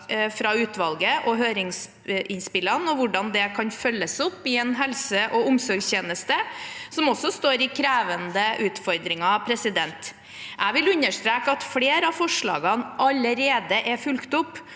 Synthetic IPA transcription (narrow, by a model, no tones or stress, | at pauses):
fɾɑʉːt̪ʋɑlɡəʔɔɦøːɾɪŋs | ʔɪnspɪlənɔʋʊɖɑnd̪ɛkʰɑnfœlːəsʊpːɪɛnɦɛlsəʔɔʊmsɔɾɡsçeːnəst̪əsɔmɔsːɔst̪oːɾɪkʰɾæːʋənd̪əʔʉːt̪fɔɾd̪ɾɪŋɑpʰɾɛsɪd̪ɛnt̪ | ʔæɪʋɪlʉnːəʂt̪ɾeːkəɑt̪fɽeːɾəɑfɔʂɭɑ̰ːɡɑnʔɑləɾeːd̪əʔɛfʉlkt̪ʊpː